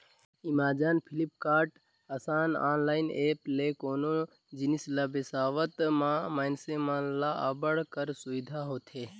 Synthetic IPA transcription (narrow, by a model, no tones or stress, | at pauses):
imaːd͡ʒanpʰilipkaːɾʈ | əsaːna̰ːnlaːɪneːplekoːno | d͡ʒinisləbesaːʋət̪mãmaːnsemãlaabəɽkəɾsuʋid̪ʱaɦoːt̪ʰe